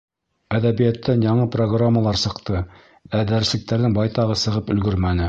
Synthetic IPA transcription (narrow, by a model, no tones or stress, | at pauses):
æðæbijæt̪ːænjɑɴɤproɡramːalˠɑɾsɤ̆qt̪ɤ | æd̪æɾɘ̆slɘ̆k̚t̪æɾðɘŋbɑjt̪ɑʁɤsɤ̆ʁɤpɵ̆lɡɵɾmænɘ